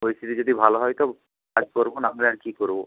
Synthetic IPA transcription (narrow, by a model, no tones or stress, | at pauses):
ojsid̪id͡ʒod̪ibʱalɔɦɔjt̪ɔ | kad͡ʒkoɾbɔnamlaɾkikoɾbɔ